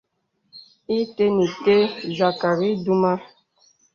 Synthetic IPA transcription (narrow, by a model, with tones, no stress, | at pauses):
i˦te˦ni˨te˦za˨ka˨ɾi˦du˦ma˦